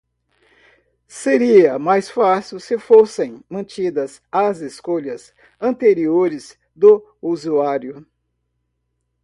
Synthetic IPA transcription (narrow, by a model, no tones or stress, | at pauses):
seɾiɐmajsfasiwsɪfosẽj̃mɐ̃nt͡ʃid̪ɐz | ɐzeskoʎɐz | ɐ̃nt̪eɾioɾɪz̥ | d̪ʊ | uzuaɾjʊ